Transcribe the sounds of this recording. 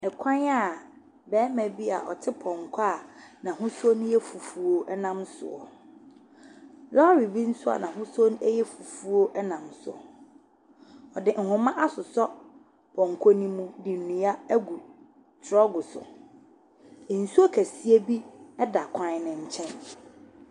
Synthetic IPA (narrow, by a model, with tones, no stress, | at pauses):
ɛ˨kʰã˦na˨ | bɛː˨˦mɛ̃˨bi˦a̰˨ʔɔ̰˨tʰɪ˦pʰɔ̃˨ŋkʰa˦˨nã˨ɦʊ̃˦sʊ˦ɔ˦nʊ̃˦jɛ˦fu˨fu˦o˦ʔɛ˦nã˦msʊ̰˨ɔ̰˨ | lɔ˦a˦ɾi˨bi˦n̩˦sʊ˦a̰˨nã˨ɦʊ̃˦sʊ˦o˦n˦ɛ˦jɛ˦fu˨fu˦o˦ʔɛ˦nã˨msʊ̰˨ɔ˨ | ɔ˨dɪ˨ʔŋ̩˨hʊ̃˦mã˦ʔa˦sʊ˨sɔ˦ | pʰɔ̃˨ŋkʰo˦nĩ˦mũ˦dɪ˨n̩˨nũ˨ja˦ɡu˨ | tʰɾɔ˦ɡʊ˨sʊ̰˨ | n̩˨su˦o˦kʰæ˨si˦e˦bi˦ɛ˦da˨kʰã˨n˨nɪ̃˨ɲ̩˨t͡ɕʰɛ̃˦n